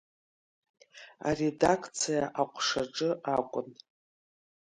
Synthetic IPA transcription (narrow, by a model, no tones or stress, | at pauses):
a̰re̞dakʰt͡sʰijaʔaqʷʰʼʂaʈ͡ʂʼɨʔakʷʼʊn